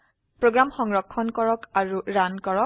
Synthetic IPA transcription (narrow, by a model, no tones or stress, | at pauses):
pɹoɡɹamxɔŋɹɔkʰːɔnkɔɹɔkaɹuɹankɔɹɔ